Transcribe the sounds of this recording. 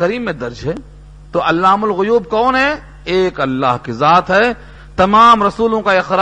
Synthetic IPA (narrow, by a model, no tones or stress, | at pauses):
ɐɾiːmːẽd̪ɐɾd͡ʒɦɛ | t̪oʔɐlːaːmʊlɣʊjuːb̚kɔːnɦɛ | eːkɐlːa̰ːɦkizaːt̪ɦɛ | t̪ɐmaːmɾɐsuːlõkaɪxɾa